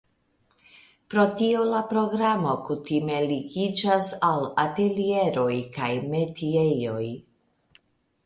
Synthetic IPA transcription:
pɾo̞tio̞lapɾo̞ɡɾamo̞kutime̞liɡid͡ʒasalate̞lie̞ɾo̞jkajme̞tiejo̞j

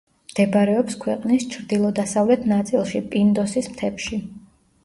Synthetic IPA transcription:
md̪̥ɛbɾɛɔpskʰwɛqʼnist͡ʃʰɾd̪ilˠɔd̪asavlɛt̪ʰnat̪sʼilˠʃipʼind̪ɔsismt̪ʰɛpʃi

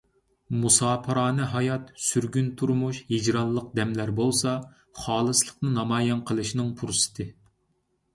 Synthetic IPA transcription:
musɑːpʰəɾɑːnɨɦɑjɑt̪syɾɡʲynt̪ʰuɾmuʃhid͡ʒɾɑnlˠəq̚d̪ɛmlæɾbolˠsɑ | χɑːlˠɨslˠəqnɨnɑmɑːjɑnqʰəlˠɨʃnɨŋpʰuɾsɨ̥t̪ʰɨ

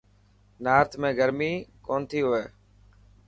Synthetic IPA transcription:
naːɾt̪ʰmẽːɡəɾmiːkoːnt̪ʰiːɦʊʋeː

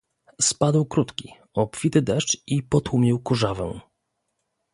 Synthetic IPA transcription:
spad̪wkɾut̪kʲi | ɔpfʲit̪ɘd̪ɛʂt͡ʂipɔt̪wumʲjiwkuʐavɛ̰

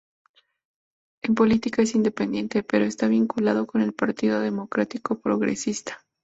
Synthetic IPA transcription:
empo̞lit̪ikae̞sind̪e̞pe̞nd̪je̞nt̪e̞pe̞ɾo̞est̪aβiŋkulað̞o̞ko̞ne̞lpaɾt̪iðo̞ðe̞mo̞kɾat̪iko̞pɾo̞̰ɣɾḛsist̪ḁ

